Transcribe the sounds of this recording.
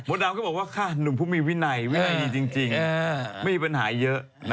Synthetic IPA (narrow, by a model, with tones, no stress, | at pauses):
mo˨˦˥t̪̚naː˧mkɔ˥˩bɔ˨˩k̚waː˥˩kʰaː˥˩nu˨˩ŋpʰuː˥˩miː˧wi˦˥na˧jwi˦˥na˧jdiː˧˩t͡ɕi˧ŋt͡ɕi˧ŋma˥˩jmi˧pa˧nɦaː˩˦jɤ˦˥ʔ